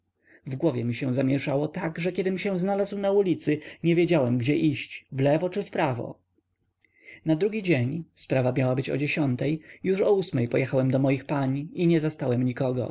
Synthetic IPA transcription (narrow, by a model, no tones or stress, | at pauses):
vɡwɔvʲjɛmʲiɕɛ̃zamʲjɛʂawɔt̪aɡʐɛkʲjɛd̪ɘmɕɛ̃znalazwnaulʲit̪sɘɲɛvʲjed͡ʑawɛmɡd͡ʑɛʔiɕt͡ɕvlɛvɔt͡ʂɘfpɾavɔ̰ | nad̪ɾuɡʲid͡ʑeɲspɾavamʲjawabɘt͡ɕɔ̰d͡ʑeɕɔnt̪ɛjjuʂɔusmɛjpɔjɛxawɛmd̪ɔmɔjixpaɲiɲɛzast̪awɛmɲikɔɡɔ̰